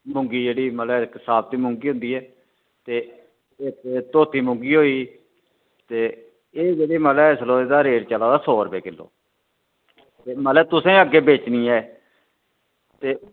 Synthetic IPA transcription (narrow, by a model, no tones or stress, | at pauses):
mʊ̃ŋɡiːd͡ʒeːɽiːməlɛːkɪsaːb̚t̪iːmʊ̃ŋɡiːɦʊ̃nd̪iːɛː | t̪eː | et̪eːt̪oːt̪iːmʊ̃ŋɡiːɦoːiː | t̪eː | eːd͡ʒeːɽiːməːlɛːɪsloːed̪aːɾeːɽt͡ʃəlaːd̪aːsɔːɾpeːkɪlːo̰ː | t̪eːmət̪lɛːt̪ʊsẽːəɡːeːbeːt͡ʃnĩːɛː | t̪eː